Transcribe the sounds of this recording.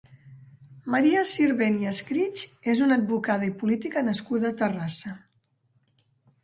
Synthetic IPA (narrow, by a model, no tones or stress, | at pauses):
məɾiəsiɾβeniəskɾit͡ʃezunəd̪̚bukað̞əipulit̪ikənəskuðəːt̪ərasə